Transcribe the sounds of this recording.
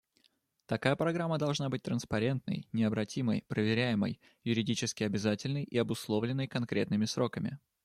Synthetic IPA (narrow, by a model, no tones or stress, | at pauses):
t̪ɐkajəpɾɐɡɾamːəd̪ɐlˠʐnabɨt̚ʲt̪ɾənspɐɾʲe̞nt̪nə̰jnʲɪɐbɾɐtʲʰiməjpɾəvʲɪɾʲæjɪmə̰jː | ʊɾʲɪdʲit͡ɕɪskʲɪɐbʲɪzatʲɪlʲnəjʔɪɐbʊslˠo̞vlʲɪnːəjkɐnkɾʲet̪nɨmʲɪsɾo̞kəmʲɪ̰